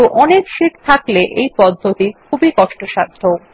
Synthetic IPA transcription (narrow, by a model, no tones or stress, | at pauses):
uʔɔnekʃiʈt̪ʰakleʔejpɔd̪ʱːot̪ikʰubikɔʃʈoʃaɾd̪ʱo